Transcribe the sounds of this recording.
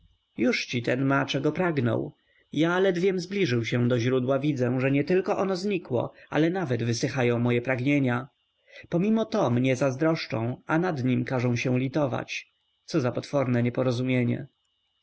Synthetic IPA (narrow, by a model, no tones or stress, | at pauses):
juʂt͡ɕit̪ɛnmat͡ʂɛɡɔpɾaɡnɔ̰w | jalɛd̪vʲjɛmzblʲiʐɘwɕɛ̃d̪ɔʑɾud̪wavʲid̪zɛ̃ʐɛɲɛt̪ɘlkɔʔɔnɔzɲikwɔ̰a̰lɛnavɛd̪vɘsɘxajɔ̃w̃mɔjɛpɾaɡɲeɲa | pɔmʲimɔt̪ɔmɲɛzazd̪ɾɔʂt͡ʂɔ̰̃w̃anad̪ɲimkaʐɛ̃w̃ɕɛw̃lʲit̪ɔva̰t͡ɕ | t̪sɔzapɔt̪fɔɾnɛɲɛpɔɾɔzumʲjeɲɛ̰